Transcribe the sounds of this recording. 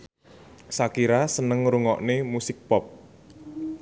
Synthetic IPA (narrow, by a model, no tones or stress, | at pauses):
sakiɾasənəŋɾuŋɔʔnemusɪk̚pɔp̚